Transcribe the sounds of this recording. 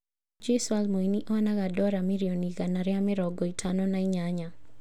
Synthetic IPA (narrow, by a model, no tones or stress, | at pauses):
d͡ʒisalmoiniʔɔnaɡadɔɾamiɾiɔniɡanaɾɪamɛɾɔɡɔitʰanɔnaiɲaɲa